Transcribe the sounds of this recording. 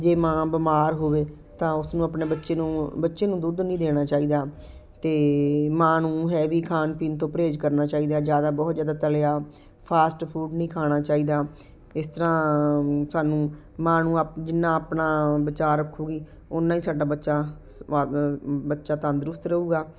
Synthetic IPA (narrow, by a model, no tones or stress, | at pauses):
d͡ʒeːmãːbəmaːɾɦoːʋeː | t̪ãːʊsnũːəpneːbətːʃeːnũːbətːʃeːnũːd̪ud̪nĩːd̪eːɽ̃aːt͡ʃaːiːd̪aː | t̪eːmãːnũːɦɛːʋiːkʰaːnpiːnt̪õːpəɾeːd͡ʒkəɾnaːt͡ʃaːiːd̪aːd͡ʒjaːd̪aːbɔːt̪zjaːd̪aːt̪əleaː | pʰaːsʈpʰuːɖnĩːkʰaːɽ̃aːt͡ʃaːiːd̪aː | ɪst̪əɾãː | saːnũː | mãːnũːapd͡ʒɪnːãːpnãːbɪt͡ʃaːɾəkʰːuːɡiː | ʊnãːiːsaːɖaːbətːʃaː | bətːʃaːt̪ə̃ːnd̪əɾʊst̪ɾəuːɡaː